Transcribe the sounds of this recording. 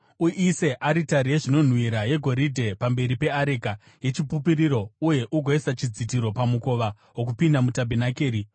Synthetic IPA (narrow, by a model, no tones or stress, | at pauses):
uʔiseʔaɾitaɾijeʐino̞n̤wiɾaje̞ɡʱo̞ɾidʱe̞pambe̞ɾipe̞aɾika | je̞t͡ʃipupiɾiɾo̞uje̞ʔuɡʱo̞isat͡ʃid͡zitiɾo̞pamuko̞ʋa | wok̬upindamutabʱenakeːɾi